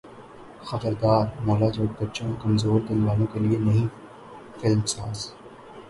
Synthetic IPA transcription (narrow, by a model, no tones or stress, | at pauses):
xɐbəɾd̪aːɾmɔːlad͡ʒoːʈ̚bɐtːʃõkɐmzoːɾd̪ɐnʋaːlõkelienɐɦĩ | fɪlmsaːz